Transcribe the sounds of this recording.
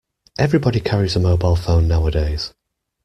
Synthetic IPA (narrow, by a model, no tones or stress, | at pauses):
ʔɛvɹɪbɒɾikʰaɹizəmoʊbaɪlˠfõʊ̃nːaʊədeɪz̥